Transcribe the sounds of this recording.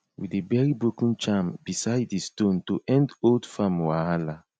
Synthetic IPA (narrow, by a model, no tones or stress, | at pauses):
widebɛɹibɹokũnt͡ʃãmbisaɪddestõntoʔɛ̃ndoldfamwahala